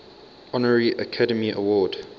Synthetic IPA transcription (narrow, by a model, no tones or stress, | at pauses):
ɔnəɹɹiʔəkʰadəmiʔə̰wɔːd